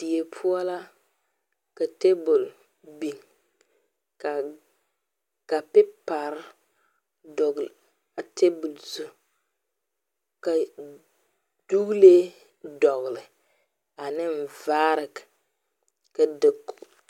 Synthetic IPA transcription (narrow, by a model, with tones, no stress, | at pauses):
d̥i˨e˨pʰʊ˦ɔ˦la˦ | ka˨te˦bʊ˨l | bi˨ŋ | ka˨ | ka˨pɪ˦pa˨ɾ | dɔ˨ɡl | a˨tʰe˦bu˨lsu˦ | ka˨ | d̥u˦ɣle˦ | dɔ˨ɣlɪ˨ | a˨nɪ˦m̩˨vaː˦ɾɪ˨k | ka˨dɪ˨kː